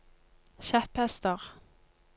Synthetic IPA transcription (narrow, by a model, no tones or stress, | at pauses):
ʃæphɛst̪əʁ